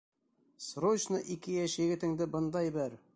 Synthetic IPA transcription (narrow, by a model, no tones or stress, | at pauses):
srot͡ɕnɤʔikɘjæʃjɘ̆ɡɘ̆t̪ɘ̆ŋd̪ɘbɤnd̪ɑjbɘɾ